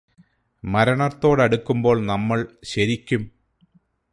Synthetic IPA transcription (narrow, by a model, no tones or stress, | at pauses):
mɐɾɐɳɐrt̪ːo̞ːɽɐɽukːumbo̞ːɭnɐmːɐɭɕɐɾikʲːum